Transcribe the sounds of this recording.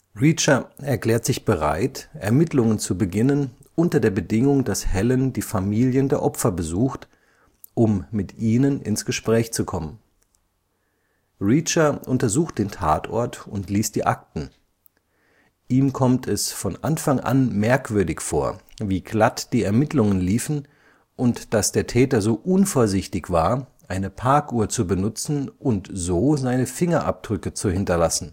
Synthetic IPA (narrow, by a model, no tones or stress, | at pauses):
ʁit͡ʃɐɛɐkl̥ɛːɐtz̥ɪçb̥əʁa̰ɪtʔɛɐmɪtʰlʊŋənt͡subəɡɪnənʔʊntɐdeːɐbədɪŋʊŋdashɛləndiːfamiːljəndeːɐʔɔpfɐbəzuːxt | ʔʊmːɪtʔiːnənɪ̰nsɡ̥əʃpʁ̥ɛːçt͡sukʰɔmən | ʁit͡ʃɐʔʊntɐzuːxt̚d̥eːntʰa̰ːtʰɔ̰ɐtʊntliːst̚d̥iːʔak̚tn̩ | ʔiːmkʰɔmtʰɛsfɔnʔanfaŋʔa̰nmɛɐkv̥ʏɐdɪçfo̰ːɐviːɡlatd̥iːɛɐmɪtlʊŋənliːfn̩ | ʔʊntd̥asd̥eːɐtʰɛːtɐzoːʔʊnfoːɐzɪçtɪçv̥aːɐʔaɪnəpʰaɐkuːɐt͡subənʊt͡sn̩ʔʊntzoːzaɪnəfɪŋɐʔa̰p̚d̥ʁʏkət͡suhɪntɐlasn̩